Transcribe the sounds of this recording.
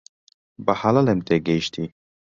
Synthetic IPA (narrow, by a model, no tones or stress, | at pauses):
bahalalemt̪eɡeʃt̪ʰi